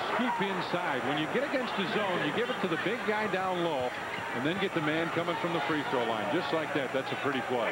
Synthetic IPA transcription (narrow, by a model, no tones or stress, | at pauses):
skʉpɪ̃nsaɪd̚wə̃njɨɡɛɾɨɡɛ̃nst̪̚ɨzõʊ̃njɨɡɪvɨtʰɨðɨbɪɡaɪdãʊ̃nlɔʊ | ɨ̃nðɨ̃nɡɛt̪̚ðɨmæ̃nkʰʌmɪ̃ŋfɹʌ̃mðəfɹifɹoʊlãɪ̃nd͡ʒʌstˡlaɪk̚ðæt̪̚ðætsɨpʰɹ̥ɪɾikʰwoɪ